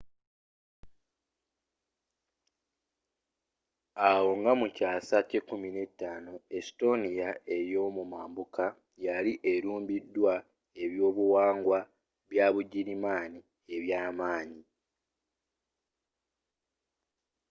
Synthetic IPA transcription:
awo̞ŋɡamucaːsacekumine̞tːaːnoe̞sto̞nijae̞ɾjo̞ːmumaːmbuka | jaliʔe̞ɾuːmbidːwa | e̞βjo̞ːβuwaːŋɡwa | βjaːβuɟiɾimaːni | e̞βjaːmaːɲi

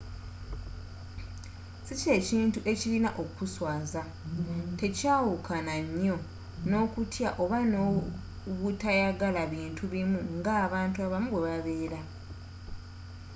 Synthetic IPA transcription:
sice̞ciːntuʔe̞cilinaʔo̞kkuswaːza | te̞caːwukʰanaɲːo̞ | no̞ːkutjaʔo̞βano | ɣutajaɡalaβiːntʰuβimuŋɡaːβaːntuaβamuβwe̞βaβe̞ːɾa

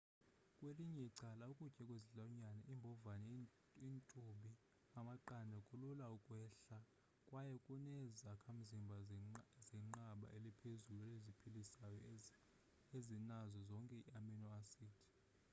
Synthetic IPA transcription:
kʼweliɲɛiǀalaukʼucʼɛkʼweziɬaɲanɛʔimbʱɔvanɛ | intʼuɓi | amaǃandʱɛkʼululaukʼwɛːɬa | kʼwajɛkʼunɛzakʰam̩zimbʱazɛŋ͡ǃaɓa̰ʔelipʰezuluɛlezipʰilisajɔ | ezinazɔzɔŋkʼɛḭaminɔasiːtʰi̥

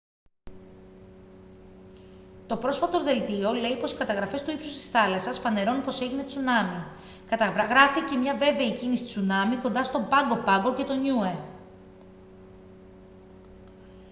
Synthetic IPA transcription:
t̪o̞pɾo̞sfɐt̪o̞ðe̞lt̪io̞le̞ipo̞si̥kɐt̪ɐɣɾɐfe̞st̪uipsu̥st̪i̥sθɐlɐsɐsfɐne̞ɾo̞nupo̞se̞ʝinet͡sunɐmi | kɐt̪ɐvɣɾɐfice̞mɲɐve̞ve̞icinisi̥t͡sunɐmiko̞nd̪ɐst̪o̞bɐŋɡo̞pɐŋɡo̞ce̞t̪o̞ɲue

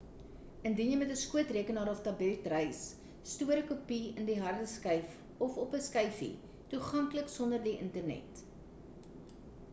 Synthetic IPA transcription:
əndinjəjmɛtəskuətriəkənɑːɾɔftɐbɛltrəjsː | tuəɾəkupiəndiɦɐrdəskəjf | ɔfɔpəskəjfḭ | tuχɐŋkləksɔndərdiʔəntərnɛ̰t

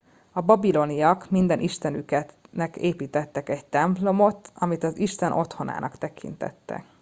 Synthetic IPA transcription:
ɒbɒbilo̞nijɒkmind̪ɛnʔiʃt̪ɛnykɛnɛkeːpiːt̪ɛt̪ːɛkɛct̪ɛmplo̞mo̞t̪ɒmit̪ɒziʃt̪ɛnʔo̞t̪ho̞na̰ːnʔɒ̰kt̪ɛkʰḭnt̪ɛ̰t̪ːɛ̰

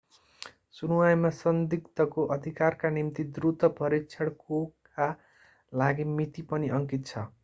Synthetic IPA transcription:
sunuwajmasʌnd̪ikt̪ʌkoʔʌd̪ʱikarkanimt̪id̪rut̪ʌpʌɾikt͡sʰʌɽkok | a | laɡimit̪ipʌniʔʌŋkit̪̚t͡sʰʌ

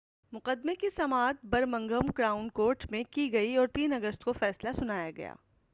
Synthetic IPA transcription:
mʊqəd̪mekisɐmaːt̪̚bɐɾmɐ̃ŋɡəmkɾaːʊnkoːɾʈmẽkiɡɐiɔːɾt̪iːnɐɡəst̪kofɛːslasʊnaːjaɡɐ̰ja̰ː

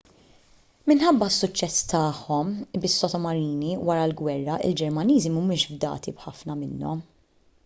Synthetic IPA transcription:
mɪnħɐbːɐsːʊt͡ʃːɛst̪ɐːħɔmbɪsːɔt̪ɔmɐɾiːniwɐɾɐlɡwɛrːɐʔɪ̰ld͡ʒɛɾmɐniːzimmɪːʃvd̪ɐ̰ːt̪ibħɐfnɐmɪnːɔ̰m

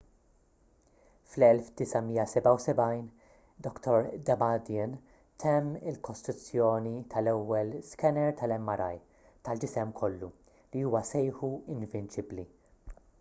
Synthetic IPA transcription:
flɛlfd̪ɪsɐmiːɐsɛbɐwsɛbɐjn | d̪ɔkt̪ʰɔɾd̪ɐbɐd̪ɪn | t̪ʰɛmːɪ̰lkɔst̪ɾʊt͡sːjɔːnit̪ʰɐlɛwːɛlskɛnɛɾt̪ʰɐlɛmːɐɾɐj | t̪ɐld͡ʒɪsɛmkʰɔlːu | liuːwɐsɛjħuɪnvɪnt͡ʃɪbli

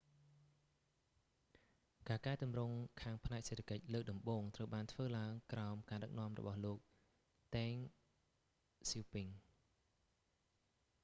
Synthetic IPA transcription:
kaːkaɛt̪umrʊŋkʰaːŋpʰnaɛk̚seːt̪ʰḁkəc̚ləːk̚ɗɑmɓoːŋt̪rəwɓaːnt̪ʰʋəːlaəŋkraɔmkaːɗək̚nŏəmrɔ̰ɓɑhloːk̚ | t̪aːŋ | sipiŋ

